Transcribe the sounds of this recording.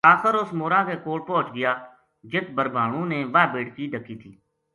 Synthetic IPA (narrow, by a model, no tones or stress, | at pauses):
aːxəɾʊsmoːɾãːkeːkoːɽ̚pɔ̃ːt͡ʃɡɪjaː | d͡ʒɪt̪bəɾbʱaːɽ̃ũːneːʋaːbeːʈkiːɖʱəkʰːiːt̪ʰiː